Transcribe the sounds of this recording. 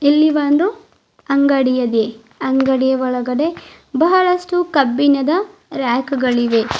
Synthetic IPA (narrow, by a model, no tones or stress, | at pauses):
elːiʋanɾu | ɐŋɡɐɽijɐd̪e | ɐŋɡɐɽijɐʋɔɭɐɡɐɽe̞ | bɐɦɐɭɐsʈukɐbːinɐd̪ɐɾaːkɐɡɐɭiʋe̞